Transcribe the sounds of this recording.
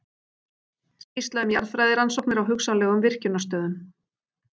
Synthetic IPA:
scist̪laðʏmja̰ɾðfɾajðɪɾansɔwk̚nɪɾawɦʏksanlɛːɣʏmvɪr̥cʏnːast̪œːðʏm

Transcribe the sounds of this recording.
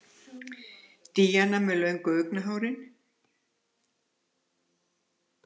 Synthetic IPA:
t̪iːjanamɛlœenkœknaɦaːwɾɪn

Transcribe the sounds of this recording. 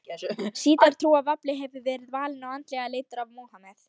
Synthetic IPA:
siːt̪aɾ̥t̪ʰɾuːavaplɪɦɛvʏvɛːɾɪðvaːlɪnawant̪lɛɣaleːjt̪ʏɾavmoːhamɛθ

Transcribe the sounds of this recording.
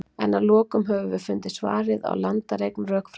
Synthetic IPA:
ɛnalɔːkʏmɦɛvʏvɪɾfʏnt̪ɪsva̰ːɾɪða̰wlant̪aɾejknrœːkf

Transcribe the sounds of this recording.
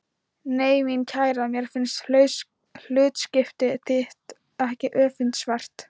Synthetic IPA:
neːjmincʰaːjɾamjɛɾ̥fɪnst̪ː | l̥ʏːt̪scɪft̪ɪθɪht̪ | ɛhcɪʔœːfɪnt̪svar̥t̪

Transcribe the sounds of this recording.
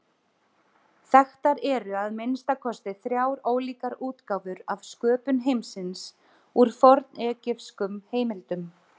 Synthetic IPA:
θɛxt̪aɾɛɾʏaðmejnst̪akʰɔst̪ɪθɾjawɾoːwliːkaɾuːt̪kaːwvʏɾav̥skœːpʏnɦejmsɪns | uɾ̥fɔɾt̪nɛːcɪfskʏmheːjmɪlt̪ʏm

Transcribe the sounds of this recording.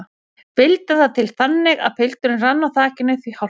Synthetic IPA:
pɪlt̪aθaðt̪ʰɪlθanːɪɣa̰ðpʰɪl̥t̪ʏɾɪnranːaθaːcɪnːɪθviha

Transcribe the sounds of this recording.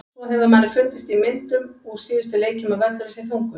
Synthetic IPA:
θɔɦɛvðamaːɾɪɾfʏlt̪ɪst̪imɪn̥t̪ʏmɔɣsɪːðʏst̪ʏleːjcɪmavɛɾt̪ʏɾɪsjɛθowŋ̥kʏm

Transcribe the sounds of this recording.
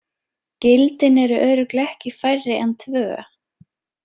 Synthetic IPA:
cɪlt̪ɪnɛɾʏʔœːɥɾʏklɪɛhcɪfajrːɪʔɛnt̪ʰvœː

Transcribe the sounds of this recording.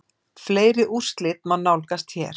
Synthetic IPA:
fleːjɾɪʔur̥st̪lɪt̪̚manːawlkast̪çɛ̰ːɾ̥

